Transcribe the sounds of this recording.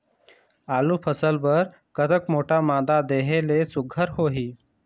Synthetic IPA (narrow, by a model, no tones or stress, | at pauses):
aːlupʰəsəlbəɾ | kət̪əkmoʈamad̪ad̪eɦelesʊɡʱəɾɦoɦiː